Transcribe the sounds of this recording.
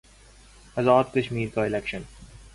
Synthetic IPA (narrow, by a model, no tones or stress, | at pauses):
əzɔːd̪kəʃmiːɾkaɪlɛkʃə̃n